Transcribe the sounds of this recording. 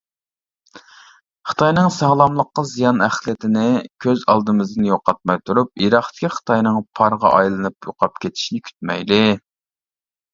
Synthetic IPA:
χə̥t̪ʰɑjnɨŋsɑːlˠɑmlˠəqːɑzijɑnæχlˠɪt̪ʰɪnɪkʲʰøzɑ̰lˠd̪ɨmɨzd̪ɨnjoqɑt̪̚mɑjt̪ʰuɾup̚iɾɑχt̪ʰɪ̥kʲʰiχə̥t̪ʰɑjnɨŋpʰɑɾʁɑ̰ʔɑjlˠɨnɨpjo̰qʰɑp̚kʲʰet̪ʰi̥ʃnɪkʲʰy̥t̪̚mɛ̰jd̪ɪ

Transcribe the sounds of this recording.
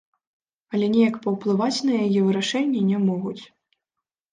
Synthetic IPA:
ɐlʲɛnʲɛjɐkpɐwplˠɨvat͡sʲnɐjajɛvɨɾaʂɛnʲːɛnʲɛmɔɣut͡sʲ

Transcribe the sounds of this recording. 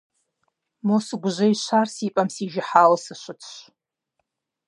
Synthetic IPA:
mosɨɡʷʊʒʷɐiʃʷarsiːpʼɐmsiʒɪħalsɨʃʷʊtʰʃʷ

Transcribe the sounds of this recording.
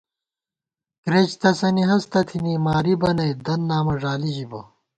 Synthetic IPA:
kɾet͡ɕt̪ʰɐsɐniɦɐst̪ɐt̪ʰinimaːɾibɐnɐjd̪ɐnːaːmɐʐaːliʑibɐ

